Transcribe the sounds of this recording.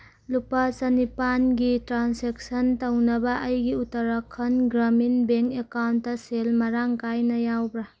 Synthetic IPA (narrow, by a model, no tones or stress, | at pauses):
lupɐsɐnipanɡitɾansek̚sɐntɐwnɐbɐʔɐjɡiutɐɾɐkʰːɐnɡɾaminbeŋkekawntːɐselmɐɾaŋkajnɐjawbɾa